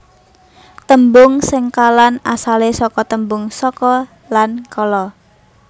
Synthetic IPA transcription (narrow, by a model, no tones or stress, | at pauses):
t̪əmbʊŋsɪŋkalanasalesɔkɔt̪əmbʊŋsɔkɔ | lankɔlɔ